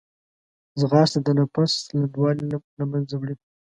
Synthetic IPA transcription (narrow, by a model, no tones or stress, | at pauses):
zɣɑːst̪ad̪ənapasland̪wɑllamanzawɽi